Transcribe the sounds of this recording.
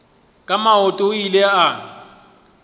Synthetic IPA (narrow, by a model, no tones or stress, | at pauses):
kʼamaɦɔtʼoilea